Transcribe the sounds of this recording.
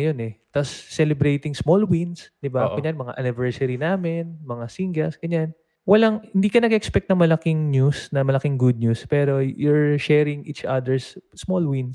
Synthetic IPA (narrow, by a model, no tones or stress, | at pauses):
jonɛt̪asːɛlɛbɾejt̪ɪŋsmolwinsd̪ɪbaʔɐɲanmɐŋa̰ʔɐnɪvɛɹsɐɾinaːmɛnmɐŋasiŋɡɐsɡ̥ɐɲan | wɐlaŋhɪnd̪iːkɐnɐɡɛʔɛkspɛk̚t̪ɐŋmɐlɐkɪŋɲusnɐmɐlɐkɪŋɡud̪̚ɲuspɛɾo̞jʊɹʃɛɾɪŋʔit͡ʃʔad̪ɛɹssmolwins